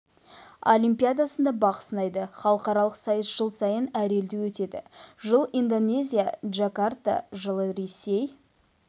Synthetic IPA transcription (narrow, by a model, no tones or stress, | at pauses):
olʲimpijad̪asənd̪ɑbɑqə̥sənɑjd̪əχɑlˠəqɑɾɑlˠəqsɑjəsʒ̥əlˠsɑjənæɾe̞ld̪ewɵt̪e̞d̪ɪ̰ʒəlˠind̪o̞ne̞zʲija̰ʒakart̪a̰ʒəlˠəɾe̞se̞j